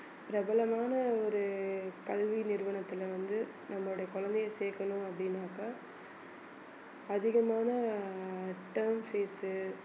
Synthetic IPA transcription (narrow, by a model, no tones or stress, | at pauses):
pɪɾɐbɐlɐmaːnɐɔɾɯkɐlʋinɪɾʋɐɳɐt̪ːɪlʋɐnd̪ɯ | nɐmːɐoɽɐjɐkɔɻɐnd̪ɛjɐseːɾkɐɳʊ̃ɐpːɐɽɪnːaːɣɐ | ðɪɣɐmaːnɐ | ʈɐɾmfeːsɯ